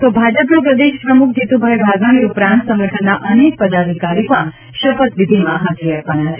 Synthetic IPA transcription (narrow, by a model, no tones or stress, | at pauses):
t̪obʱad͡ʒəpnũp̬ɾəd̪eʃpɾəmuk̚ʰd͡ʒit̪ubʱajbʱaɡaniupɾãnt̪sə̃ŋɡəʈʰənːaʔənek̚pəd̪ad̪ʱikaɾjiopã | ʃəpət̪ʋid̪ʱimãɦat̪iaɾʋanat͡ʃʰe